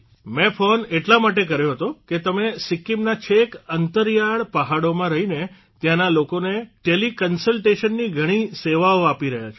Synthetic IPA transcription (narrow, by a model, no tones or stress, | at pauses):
mẽfoneʈlamaʈekəɾjoɦət̪oket̪əmesɪkːimnat͡ʃʰekənt̪əɾjaɭpəɦaɽomãɾəɦine | t̪jãnalokoneʈelikənsəlʈeʃənːiɡʱəɽ̃iseʋaoapiɾəɦjat͡ʃʰo